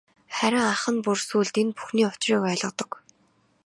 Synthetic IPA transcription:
χæɾʲɪ̆ŋaχə̆npʊrsuːɮt̪inpu̥xniːʊt͡ɕriːkæːɮə̆t̪ɞ̆k

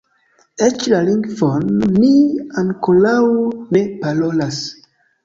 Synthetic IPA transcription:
et͡ʃlaliŋɡvonːiaŋkolawne̞palolas

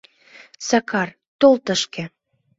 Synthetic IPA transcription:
sɑkɑr | t̪olt̪əʃkĕ

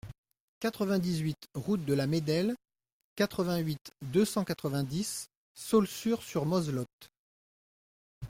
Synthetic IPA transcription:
kat̪χəvɛ̃d̪izɥit̪ʁut̪̚d̪əlamed̪ɛl | kat̪χəvɛ̃ɥit̪d̪øsɑ̃kat̪χəvɛ̃d̪isː | ɔlsyʁsyʁmɔzlɔt̪

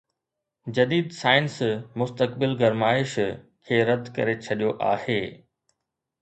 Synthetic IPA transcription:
d͡ʑɐd̪iːd̪saːɪnsmʊst̪əkbɪlɡɐɾmaːɪʃ | kʰeːɾɐd̪ʱkɐ̰ɾet͡ɕʰɐɗijoʔaːheː

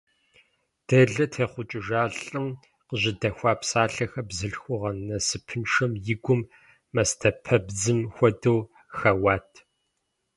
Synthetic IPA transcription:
d̥ɐɮɐtʰeːχʷʊt͡ʃʼɪʒaːɮʼɨm | qəʑɪdɐxʷɑːpʰsaːɬɐxɐbzɨɬxʷʊʁɐnnːɐsɨpʰɨnʂɐmjɪɡʷʊmː | ɐstʰɐpʰɐbd͡zɨmxʷɔdɐw | xɐwaːtʰ

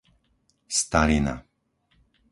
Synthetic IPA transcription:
st̪aɾina̰

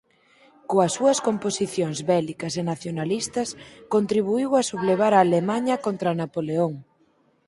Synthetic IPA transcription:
koɐsːuɐskomposiθjoŋzβɛlikɐsenaθjonalist̪ɐskont̪ɾiβ̞uiwɐsuβleβ̞aɾaːlemaɲɐkont̪ɾɐanapoleoŋ

